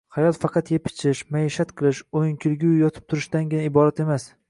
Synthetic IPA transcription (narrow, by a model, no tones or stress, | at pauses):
hɑjɒt̪fɑqʰɑt̪jepʰɪ̥t͡ʃʰɪʃmaeʃat̪qʰɨlˠɪʃojnkʲʰɪlɡʲujɒt̪ʰɪ̥p̚t̪ʰʊɾɪʃt̪anɡʲɪnaɪbɒɾat̪e̞mas